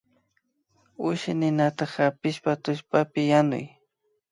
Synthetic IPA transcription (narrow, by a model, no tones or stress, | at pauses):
ʊʃɪnɪnat̪ɑχapɪʃpat̪ʊʃpapɪjanʊ̰j